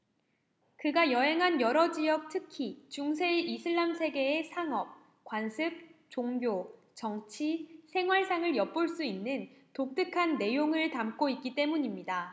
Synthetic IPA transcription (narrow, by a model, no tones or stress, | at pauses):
kɯɡajʌɦe̞ŋɦanjʌɾʌd͡ʑiʌk̚tʰɯkʰit͡ɕuŋsʰe̞isʰɯɭːamsʰe̞ɡe̞ːsʰaŋʌp̚ | kwansʰɯp̚t͡ɕoŋbjo | t͡ɕʌŋt͡ɕʰisʰe̞ŋɦwaɭs͈ʰaŋɯɭjʌp̚p͈oɭs͈uinːɯntok̚t͈ɯkʰanːe̞joŋɯɭtamk͈oit̚k͈it͈e̞muɲimɲida